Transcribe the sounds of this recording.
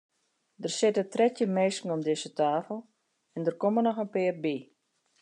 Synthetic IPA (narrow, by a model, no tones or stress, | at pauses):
dərsɪtətrɛtjəmeːskŋ̩ɔmdɪsətaːfəl̩ˠ | ɛndərkomənɔxənpɪːrbi